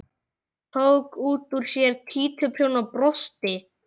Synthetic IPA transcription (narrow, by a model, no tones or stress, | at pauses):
t̪ʰoːwkuːt̪uɾ̥sjɛɾ̥t̪ʰiːt̪ʰʏpʰɾ̥jownapɾɔst̪ɪ